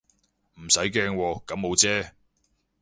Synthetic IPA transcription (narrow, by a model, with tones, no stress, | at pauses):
m̩˨˩sɐ˨˥jkɛː˧ŋwɔː˧kɐ˨˥mːo˨˧wt͡sɛː˥